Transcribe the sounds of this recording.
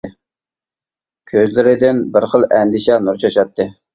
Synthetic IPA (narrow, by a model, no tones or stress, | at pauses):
kʲʰøzlɪɾɪd̪ɪnbɪɾχəlˠɛnd̪ɪʃɛnuɾt͡ʃʰɑʃɑt̪ːɨ